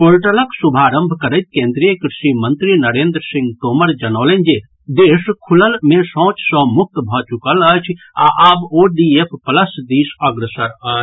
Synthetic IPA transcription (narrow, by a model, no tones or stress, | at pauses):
polʈələksubʱaɾəmbʱkəɾəɪt̪̚kẽnd̪ɾijəkɾiʃimənt̪ɾinəɾeːnd̪ɾsĩŋɡt̪oməɾd͡ʒənɔːlənd͡ʒe | d̪eskʰuləlmesɔ̃t͡ʃsə̃muk̚ʰt̪bʱɔt͡ʃukələt͡ʃʰ | a̰ʔaboɖiepʰpələsd̪isəɡɾesəɾə